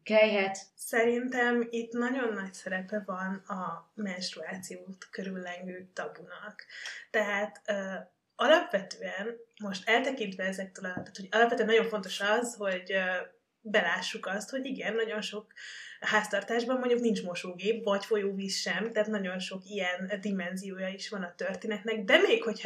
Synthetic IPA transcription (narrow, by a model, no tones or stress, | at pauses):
kɛɛt̪sɛɾint̪ɛmit̪nɒɟo̞nːɒcsɛɾɛpɛvɒnɒmɛnsʃt̪ɾuaːt̪sijoːt̪køɾylːɛŋɡøːt̪ɒbunɒkt̪ɛɦaːt̪ø | ɒlɒpʋɛt̪øːɛnmo̞ʃt̪ɛlt̪ɛkint̪ʋɛɛzɛk̚t̪øːlɒt̪aːt̪ho̞ɟɒlɒpvɛt̪øɛnɒɟõ̞ɱfo̞nt̪o̞ʃɒzho̞ɟø | bɛlaːʃːukɒst̪ho̞ɟiɡɛnːɒɟo̞nʃo̞kɦaːst̪ɒrt̪aːʒbɒmmoɲɟuknint͡ʃmo̞ʃoːɡeːpvɒcfo̞joːviːsʃɛmt̪ɛɦaːt̪nɒɟo̞nʃo̞kijɛnd̪imɛnzijoːjɒiʃʋɒnɒt̪ø̞rt̪eːnɛt̪nɛɡd̪ɛmeːkho̞c